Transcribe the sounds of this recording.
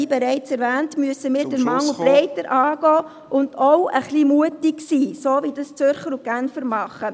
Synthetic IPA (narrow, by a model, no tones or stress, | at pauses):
ibɛɾɛɪt͡sɛɾʋæːntmyəsəmiːɾdəɾmɑŋuplɛɪtəɾʔɑːɡ̥ɔː | ʔʊnd̥oʊəχliːmuətɪksiːsoːvidɑst͡sʏɾχəɾuɡænfəɾmɑχə